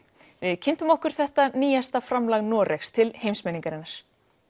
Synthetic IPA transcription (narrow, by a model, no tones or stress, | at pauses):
vɪðcʰɪnt̪ʏmɔhkʏɾ̥θɛht̪aniːjast̪afɾamlaɣnɔːɾʔɛxst̪ʰɪlhejmsmɛniŋkaɾɪnːaɾ̥